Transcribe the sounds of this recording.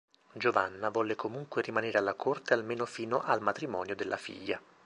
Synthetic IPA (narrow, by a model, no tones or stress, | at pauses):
d͡ʒovanːavɔːlːekomuŋkwerimaneːɾealːakʰort̪ealmeːnofiːnoʔalmat̪ɾimɔ̰ːnjod̪elːʔa̰fḭʎːa